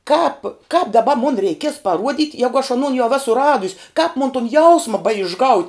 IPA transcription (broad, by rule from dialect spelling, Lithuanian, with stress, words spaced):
ˈkɑːp kɑːp dɐˈbɐ mʊn rʲɛɪˈkʲiɛs pɐˈruɔdʲɪt ˈjæːɡʊ ɐʃ ɐˈnoːn jɛʊ ˈæːsʊ ˈrɑːdʊsʲ kɑːp moːn tʊn ˈjɛʊsmɐ bɐɪʒˈɡɐʊtʲ